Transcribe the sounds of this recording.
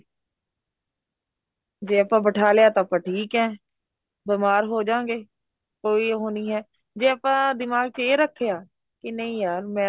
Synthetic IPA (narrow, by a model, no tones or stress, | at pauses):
d͡ʒeːəpãːbəʈʰaːlejaːt̪ãəpãːʈʰiːkɦɛ̃ː | bɪmaːɾɦoːd͡ʒãːŋɡeː | koːiːɦoːniːɦɛː | d͡ʒeːəpãːd̪ɪmaːɡ̚t͡ʃeːɾəkʰːejaː | kɪnəĩːjaːɾmɛ̃ː